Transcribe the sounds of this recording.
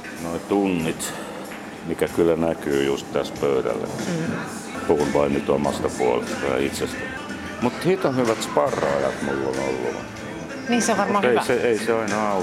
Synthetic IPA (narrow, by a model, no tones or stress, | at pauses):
noit̪unːit̪ | mikækylːˑænækyːjust̪t̪æspøyɾæ̰lːḛ | puhunʋɑimit̪omɑ̰st̪ɑpuolḛst̪ɑjɑ̰it̪sest̪æ | mut̪hit̪ɑhyʋæt̪spɑrːɑjɑ̰t̪mulːo̰no̰lːṵ | niːsoʋʋɑrmmɑeiseeiseɑinɑɑ